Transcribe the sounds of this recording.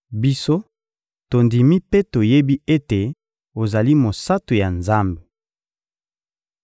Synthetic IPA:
bi˦so˦ | to˨ndi˨mi˦pe˦to˨je˦bi˦e˦te˨ | o˨za˨li˦mo˨sa˦to˨ja˨nza˦mbe˨

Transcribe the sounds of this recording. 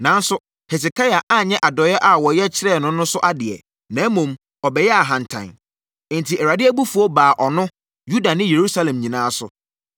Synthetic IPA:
nã˨n˦sʊ˦ | hɛ˨s̬ɪ˨kʰa˦ja˨ʔa˦ɲɛ̃˦ʔa˨dɔ˨˦jɛ˦ʔa˨wɔ˨jɛ˦t͡ɕʰɪ˦ɾɛ˦˨nʊ̃˦nʊ̃˦sʊ˦ʔa˦dɪ˨ɛ̰˨ | nã˨˦mũ˨m | ɔ˨bɛ˨jɛ˦a˨ɦã˨n˨tʰã̰˨ñ˨ | n̩˨tʰi˨ɛ˨ɾa˨dɪ˦æ˦bu˦fu˨˦ɔ˦baː˨ʔɔ˨nʊ̃˦ | ju˦da˨nɪ̃˦je˨ɾu˦sa˦lɛ̃˨mɲĩ˨nãː˨˦sʊ̰˨

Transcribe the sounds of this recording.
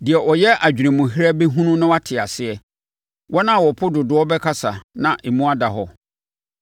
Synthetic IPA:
dɪ˨ɛ˨ʔɔ˨jɛ˦ʔa˨d͡ʑᶣnɪ̃˨mʊ̃˨ɦi˦ɾa˦be˦ɦũ˦nʊ̃˦nʊ̃˦wa˦tʰɪ˨a˨sɪ˦ɛ˨ | wʔɔ˦nã˦˨wɔ˨pʰʊ˦dʊ˨dʊ˨ɔ˦bɛ˦kʰa˦sa˨nã˨ʔe˨mũ˦a˦da˨ɦɔ˦

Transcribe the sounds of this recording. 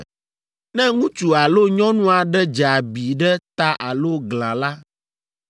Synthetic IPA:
nɛ̃˦ŋũ˦t͡ʃu˨a˨lo˦ɲɔ̃˦nũ˦a˨ɖɛ˦d͡ʒa˨bi˨ɖɛ˦t̪a˦ʔa˨lo˦ɡlã˨la˦

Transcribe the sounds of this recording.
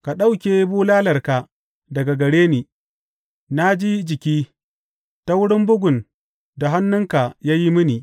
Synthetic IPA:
ka˨ɗa˦wkʲeː˨˦buː˦laː˦lɐ˨rka˨ | dɐ˨ɡa˨ɡɐ˨ɽeː˦niː˨ | na˦d͡ʒi˦d͡ʒɪ˨kʲiː˦ | ta˦wʊ˦ɽɪ˦mbʊ˦ɡʷʊ˨n | da˨ɦa˦nːʊ˦ŋka˨jaː˦ji˦mɪ˦niː˨

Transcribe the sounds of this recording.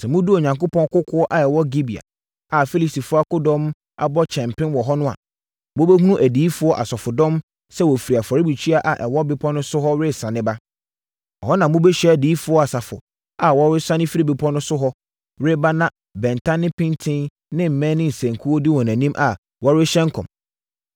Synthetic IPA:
sɛ˨mʊ̃˦du˦o˨ɲã˨ŋkʊ˦pʰɔ̃˦ŋkʊ˦kʰʊ˦ɔ˦ʔa˨ɛ˨wɔ˦ɡi˦bi˨a̰˨ | a˨fi˦li˨si˨fʊ˦a˦kʊ˦dɔ̃˦m | a̰˨bɔ˦t͡ɕʰɛ̃˨mpɪ̃˦nwɔ˨ɦɔ˦nʊ̃˦a̰˨ | mʊ̃˦be˦ɦũ˦ũ˦ʔæ˨diː˨˦fʊ˨˦ɔ˦ʔa̰˨sɔ˨fʊ˨dɔ̃˦m | sɛ˦wɔ˨fi˨ɾi˨a˨fa˨ɾi˦bi˨t͡ɕʰi˦a˦ʔa˨ʔɛ˨wɔ˦bɪ˦pʰɔ̃˦nʊ̃˦sʊ˦ɦɔ˦ɾɪ˦sã˨nɪ̃˦ba˦ | ɔ̰˨ɦɔ˦nã˨mbʊ̃˦bɛ˦ɕᶣɛ˦æ˨diː˨˦fʊ˨˦ɔ˦a˨sa˨fʊ̰˨ | a˨wɔ˦ɾɪ˦sa˦nɪ̃˦fi˦ɾi˦˨bɪ˨pʰɔ˦nʊ̃˦sʊ˦ɦɔ˦ | ɾɪ˦ba˦nã˦ | bɛ̃˨n˨tʰa˦nɪ̃˦pʰɪ̃˦ntʰɪ̃˦nː | ɪ̃˦m̩˨mɛ̃˦nɪ̃˦n̩˨sæ̃˨ŋ˨kʰu˦wɔ˦di˦wɔ˨næ̃˨nĩ˦mʔa˨ | wɔ˦ɾɪ˦ɕɛ̃˦ŋ˦kʰɔ̰̃˨m

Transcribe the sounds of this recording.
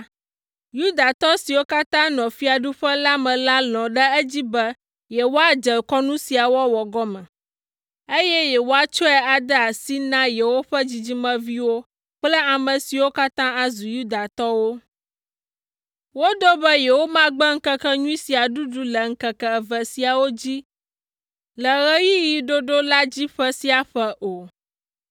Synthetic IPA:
ju˦d̪a˨t̪ɔ˦si˨wo˦ka˦t̪ã˦nɔ̃˨fi˦a˨ɖu˦ɸə˦la˦mɛ̃˨la˦lɔ̃˨ɖə˦ɛ˦d͡ʑi˦bɛ˦ | jɛ˨wo˦a˦d͡ʒə˨kɔ˦nũ˦si˨a˨wɔ˦wɔ˨ɡɔ˦mɛ̃˨ | e˦jɛ˦jɛ˨wo˦a˨t͡ʃɔ˦ɛ˦a˨d̪ə˦a˨si˦nã˦jɛ˨wo˦ɸə˦d͡ʑi˨d͡ʑi˦mɛ̃˦vi˦wo˦ | k͡plə˦a˨mə̃˨si˨wo˦ka˦t̪ã˦a˨zu˨ju˦d̪a˨t̪ɔ˦wo˦ | wo˦d̪o˦bɛ˦jɛ˨wo˦mã˦ɡ͡bɛ˦ŋ̩˦kə˦kə˦ɲũ˦i˦si˨a˨ɖu˦ɖu˦lə˨ŋ̩˦kə˨kɛ˦˨və˨si˨a˨wo˦d͡ʑi˦ | lə˨ɣə˦ji˦ji˨ɖo˦ɖo˦la˦d͡ʑi˦ɸə˦si˦a˨ɸɛ˦ʔo˨

